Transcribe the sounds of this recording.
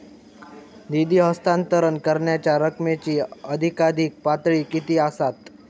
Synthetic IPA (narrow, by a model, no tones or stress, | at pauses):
d̪id̪iːɦəst̪ant̪əɾəɳkəɾɳjat͡ɕjaɾəkmet͡ɕiːəd̪ʱikad̪ʱiːk̚pat̪ɭiːkit̪iːasat̪